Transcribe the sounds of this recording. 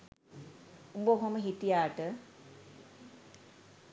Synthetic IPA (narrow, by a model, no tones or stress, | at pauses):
umboɦoməɦit̪ijaːʈə